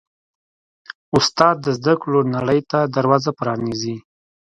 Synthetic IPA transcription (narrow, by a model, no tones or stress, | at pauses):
ʊst̪ɑd̪ːəzd̪akɽonaɽəjt̪ad̪aɾwɑzapɾɑnizi